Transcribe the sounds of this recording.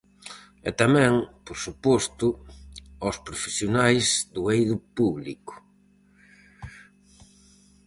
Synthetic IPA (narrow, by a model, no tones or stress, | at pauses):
ɛt̪amɛ̃ŋpoɾsupɔst̪ʊ | ɔspɾofe̥sjonajzd̪ʊejðʊpuβlḭkʊ̥